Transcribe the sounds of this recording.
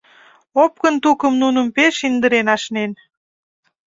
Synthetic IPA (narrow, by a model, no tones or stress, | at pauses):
op̚kənt̪ukəmnunəmpeʃind̪əɾenɑʃnen